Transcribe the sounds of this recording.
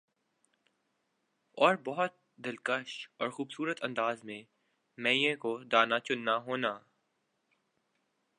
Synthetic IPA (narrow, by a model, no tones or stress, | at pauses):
ɔːɾbɔɦʊt̪̚ | d̪ɪlkəʃɔːɾxuːbsuːɾət̪ɐ̃nd̪aːzmẽ | mɛ̃ːjẽkod̪aːnat͡ʃʊnːaɦoːnaː